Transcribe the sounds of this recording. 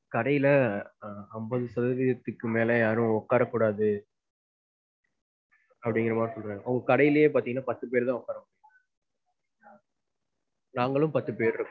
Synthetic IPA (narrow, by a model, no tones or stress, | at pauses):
kɐɽɐjɪlɐ | ɐmbɐðɯsɐðɐʋɪjɐt̪ːɯkːɯmeːlɐjaːɾʊ̃ɔkːaːɾɐkːuːɽaːðɯ | ɐpːɐɽɪŋɡɪɾɐmaːnɯsɔlɾãːŋɐɐŋɡɐkɐɽɐjɪlɐjeːpaːɾt̪iŋɐnːaːpɐt̪ːɯp̬eːɾðãːɔkːaːɾɐmʊɽɪ | naːŋɡɐɭɯ̃mpɐt̪ːɯpeːɾɾɯkː